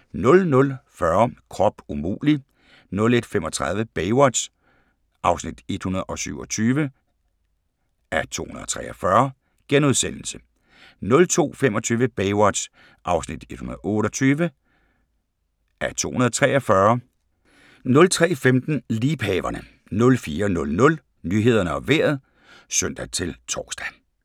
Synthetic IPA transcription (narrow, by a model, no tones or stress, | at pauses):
nɔ̽lnɔ̽lfɶɐkʰʁɒ̽b̥umṵːli | nɔ̽le̝d̥femɒ̽t͡sʰʁɑ̈ðˠʋəb̥eɪwɒd̥s | ʔɑ̈ʊsnid̥e̝d̥hunɐð̞ˠɒ̽sy̰ʊ̰ɒ̽t͡sʰyːʋə | æɐt͡sʰo̝̰ːhunɐð̩ˠɒ̥t͡sʰʁɛ̰ʔɐfɶɐ | ɡ̥enoðˠsen̰l̩sə | nɔ̽lt͡sʰo̝̰ːfem̰ɒ̽t͡sʰyːʋəb̥ɛɪwɒd̥ | ʔɑ̈ʊsnid̥e̝d̥hunɐðˠɔ̽ːɾɒt͡sʰyːʋə | ʔæɐt͡sʰo̝̰ːhunɐð̩ˠt͡sʰʁɛːɒfɶɐ | nɔ̽lt͡sʰʁɛ̰ːfemd̥n̩liːb̥hɛːʋɐnə | nɔ̽lfiːɐnɔ̽lnɔ̽l | nyːɦe̝ð̞ˠɐnəɒ̽ʋḛɐ̰ð̞̩ˠ | sœn̰d̥æt͡sʰe̝lt͡sʰɒ̥ːsd̥æ